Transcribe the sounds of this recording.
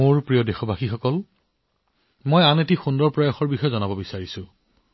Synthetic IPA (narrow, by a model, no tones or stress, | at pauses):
oɹpɹijɔdexɔbaxixɔkɔl | mojanetixundɔɹpɹajɔxɔɹbixɔjzɔnabɔbisaɹisʊ̃